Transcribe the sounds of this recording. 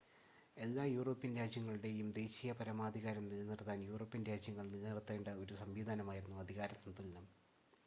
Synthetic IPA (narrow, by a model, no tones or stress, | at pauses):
e̞lːaːjuːro̞ːpːinɾaːd͡ʑjɐŋːɐɭɨɽe̞jumd̪e̞ːɕijɐpɐɾɐmaːd̪ʱiɣaːɾɐmnilːnirt̪ːaːnjuːro̞ːpːinɾaːd͡ʑjɐŋːɐɭniert̪ːeːɳɖɨo̞ɾusɐmʋiːd̪ʱaːnɐmaːjiɾunːuɐd̪ʱiɣaːɾɐsɐnt̪ːulːɐm